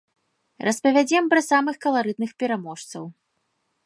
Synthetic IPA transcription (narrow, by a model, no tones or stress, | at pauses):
rʔɐspɐvʲad͡zʲɛmpɾɐsamɨxkɐlˠaɾɨd̪nɨxpʲɛɾamɔʂt̪sɐ̰w